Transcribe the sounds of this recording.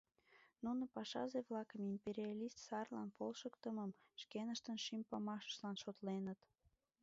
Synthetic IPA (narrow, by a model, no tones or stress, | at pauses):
nunopɑʃɑ̰zeβlɑkəmimpeɾʲiɑlʲist̪sɑrlɑ̰npolʃəkt̪əməmʃkenəʃt̪ənʃimpɑmɑʃə̥ʃlɑnʃot̪lenət̪